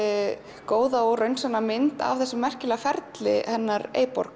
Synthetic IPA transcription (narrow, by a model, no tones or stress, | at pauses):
koːwðaowrœɥnsanːamɪnt̪a̰vθɛsʏmɛr̥cɪlafɛɾt̪lɪ̰hɛnːaɾḛːjpɔ̰ɾ̥k